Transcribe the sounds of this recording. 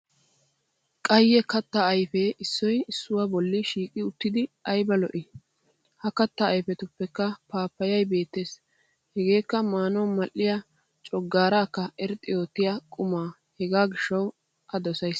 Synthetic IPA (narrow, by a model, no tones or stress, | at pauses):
kʼɐjːɛkɐt̪ːɐɐjfɛʔɪsːɔjɪsːʊwaːbɔlːɪʃiːkʼɪʊt̪ːɪd̪ɪɐjbɐlɔʔɪ | hɐkɐt̪ːɐːjfɛt̪ʊpːɛkːɐpaːpːɐjɐjbe̞ːt̪ːeːs | hɛɡe̞ːkːɐmaːnɔwmɐlʔːɪja | t͡ʃʼɔɡːaːɾaːkːɐɛɾt̪ʼɪjo̞ːt̪ːɪjakʼʊmaː | hɛɡaːɡɪʃːɐw | ʔɐd̪ɔsɐjs